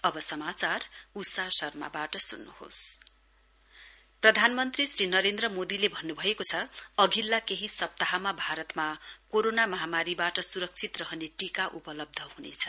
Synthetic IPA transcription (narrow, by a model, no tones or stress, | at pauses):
ʌbʌsʌmat͡sarusasʌrma̰baʈʌsunːuho̰s | prʌd̪ʱanmʌnt̪risrinʌɾend̪rʌmod̪ilebʱʌnːubʱʌekot͡sʰʌʌɡʱilːakeɦisʌp̚t̪aɦamabʱaɾʌt̪makoɾonamʌɦamaɾibaʈʌsuɾʌk̚t͡sʰit̪rʌɦʌneʈikaʔupʌlʌb̚d̪ʱʌhunḛt͡sʰʌ̥